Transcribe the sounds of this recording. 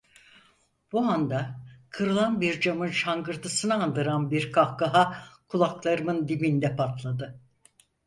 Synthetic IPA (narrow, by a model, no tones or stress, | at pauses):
b̥uand̪akʰɯɾɯlˠanbiɾd͡ʒamɯnʃaŋɡɯɾt̪ʰɯsɯnɯand̪ɯɾanbiɾkʰafkaɦakʰulˠaklˠaɾɯmɯnd̪imind̪ɛpʰat̪lˠad̪ɯ